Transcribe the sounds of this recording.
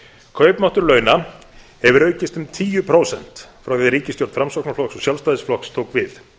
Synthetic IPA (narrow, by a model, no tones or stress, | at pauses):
kʰœɥpnaht̪ʏɾlœːɥna | hɛvʏɾœːɥcɪst̪ʏmt̪ʰiːjʏpʰɾowsɛn̥t̪fɾawkeɛðɾiːcɪst̪jowɾt̪fɾamsɔknaɾflɔksɔsjalvst̪ajðɪsflɔhkst̪ʰoːwkvɪθ